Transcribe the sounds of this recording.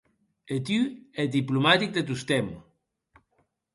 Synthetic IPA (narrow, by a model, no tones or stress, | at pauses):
et̪yed̪iplumat̪ik̚d̪et̪̬ust̪ɛm